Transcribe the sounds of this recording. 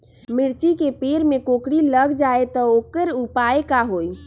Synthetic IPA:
mɪɽt͡ʃikepeɾmekokɽiləɡd͡ʒaet̪ɔokəɾupaekaɦoj

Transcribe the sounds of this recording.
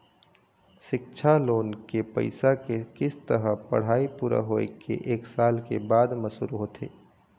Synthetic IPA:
ʃɪk̚t͡ʃʰaloːnkepə̰ɪsakekɪst̪əɾəpɐ̰ɽ̤aːipuːɾa̰ɦoːekʰḛʔeːksaːlkebaːd̪məsṵːɾɦoːt̪ʰḛː

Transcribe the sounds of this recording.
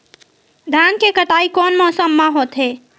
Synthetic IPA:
d̪ʱankekəʈaikɔnmɔsəmːaɦot̪ɦe

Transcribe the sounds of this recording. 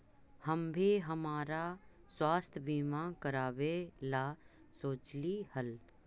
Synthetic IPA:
həmbʱiɦəmaːɾa | swaːst̪ʰbʱiːmãkəɾaːʋelaː | soːt͡ʃlihəl

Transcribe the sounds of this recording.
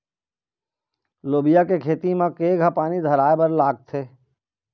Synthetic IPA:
loːbɪjakekʰeːt̪imãkeːɡʱapaːnid̪ʱɐɾaːebɐɾlaːɡ̚t̪ʰeː

